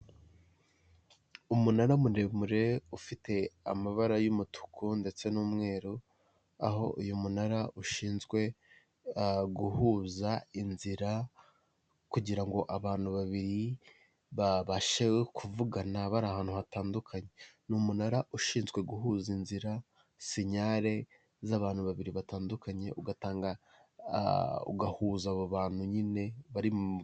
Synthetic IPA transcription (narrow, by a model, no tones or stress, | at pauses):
umunaɾamunemuɾe̞ufite̞a̰maβaɾajumutʰu̥kʰunde̞t͡se̞nuːmŋe̞ːɾo | aɦo̞̰ʔṵjumunaɾaʔuʃiːnzɡwe̞ | ɡuhuːzainziɾa | kuɟiɾaŋɡo̞ʔaβaːn̥uβaβiɾi | βaβaʃewe̞kʰuvuɡanaβaɾahaːn̥huhataːndukʰaɲe̞numunaɾaʔuʃiːnzɡwe̞ɡuhuːzinziɾa | seɲaɾe̞ | zaβaːn̥huβaβiɾiβataːndukaɲe̞ʔuɡataːŋɡa̰ | ṵɡahuːzaβoβaːn̥huɲine̞βaɾim